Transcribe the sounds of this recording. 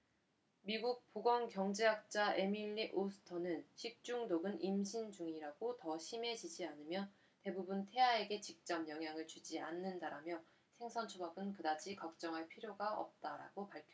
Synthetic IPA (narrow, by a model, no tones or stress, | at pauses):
miɡuk̚p͈oɡʌŋkjʌŋd͡ʑeɦak̚t͡ɕ͈aʔe̞miʎːiʔosʰɯ̥tʰʌnɯnɕʰik̚t͡ɕ͈uŋdoɡɯnimɕʰind͡ʑuŋiɾaɡotʌɕʰime̞d͡ʑid͡ʑianɯmjʌ | te̞bubuntʰe̞ae̞ɡe̞t͡ɕik̚t͡ɕ͈ʌmjʌŋɦjaŋɯɭt͡ɕud͡ʑia̰nːɯndaɾamjʌ | sʰe̞ŋsʰʌnt͡ɕʰobaɡɯnkɯdad͡ʑʰikak̚t͡ɕ͈ʌŋɦaɭpʰiɾjoɡaʌ̰p̚t͈aɾa̰ɡopaɭkʰ